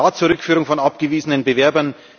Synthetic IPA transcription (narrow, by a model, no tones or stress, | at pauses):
aːt͡suːɐʁʏkfyːʁʊŋfɔnʔapɡ̥əviːzənənbəvɛɐbɐn